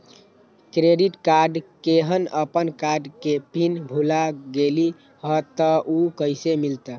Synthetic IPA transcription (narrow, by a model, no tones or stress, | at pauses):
kɾeɖiʈkaɾɖkeɦənəpənkaɾɖkepinbʱulaɡeli | ɦət̪əʔukəjsemilt̪ə